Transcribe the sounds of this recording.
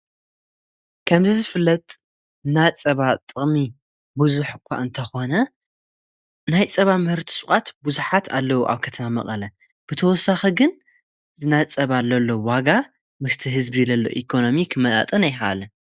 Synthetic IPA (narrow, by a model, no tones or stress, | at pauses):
kʰɐmzizɨfɨlːɐt̪ʼ | nat͡sʼɐβat̪ʼɨχʼmi | buzuħkʰʷːa̰ʔɨnt̪ʰɐxo̞nɐ | najt͡sʼɐβamɨhɨɾt̪ʰi̥sʼuχʼat̪buzuħat̪ʰa̰lːɐwuʔa̰βkʰɐt̪ʰɐmamɐ̰χʼɐlɐ | b̥ɨt̪ʰɐwɔsːaxiɡɨn | zɨnat͡sʼɐβalːɐlːowaɡa | mɨst̪ʰɨɦɨzbilɐlːo̞̰ʔikʰo̞no̞mikʰmɐla̰t̪ʼɨnajxɐlɐn